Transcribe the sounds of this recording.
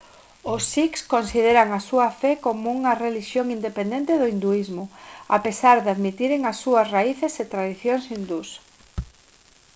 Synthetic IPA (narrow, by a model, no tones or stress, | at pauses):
ʊsikskonsiðeɾɐŋɐsuɐfɛkomouŋɐreliʃjoŋind̪epend̪ẽnt̪ɪðoind̪uizmʊa̰pesaɾðeaðmit̪iɾeŋasːuɐsraiθeset̪ɾaðiθjoŋsind̪us